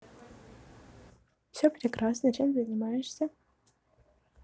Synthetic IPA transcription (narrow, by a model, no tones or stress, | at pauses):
fsʲopɾʲekrasnɐt͡ʃʰemzɐnʲimajɛʂsʲɐ